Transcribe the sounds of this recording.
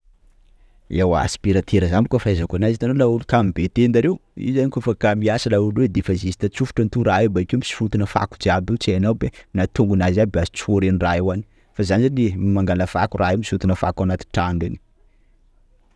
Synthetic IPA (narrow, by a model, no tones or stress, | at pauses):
ewa̰si̥piɾat̪ʰeɾəzamikafaazakanazit̪anonaulukamibet̪end̪aɾewḭzanikofakamiasəlaulwed̪efazizi̥t̪at͡sufu̥ʈ͡ʂant̪uɾaewbaikʲeumisi̥fut̪inəfa̰kud͡ʒiabit͡saanawbenat̪uŋɡunazabazi̥t͡si̥oɾeniraewani̥ | fazanizanimaŋɡaləfakurʔaemisut̪unəfa̰kawnat̪i̥ʈ͡ʂaŋɡani̥